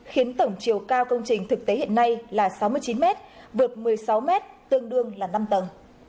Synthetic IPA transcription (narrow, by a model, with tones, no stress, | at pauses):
xi˨˦ənt̪ə˧˩wŋ͡mt͡ɕi˨˩əwkaː˧wkə˧wŋ͡mt͡ɕï˨˩ŋ̟t̪ʰɨ˨˩k̚t̪e˨˦hḭ˧˨ənːa˧jlaː˨˩sa˨˦wmɨ˧əjt͡ɕi˨˦nmɛ˦˥t̚ | vɨ˨˩ət̚mɨ˨˩əjsa˨˦wmɛ˦˥t̚t̪ɨ˧əŋɗɨ˧əŋlaː˨˩na˧mt̪ə˨˩n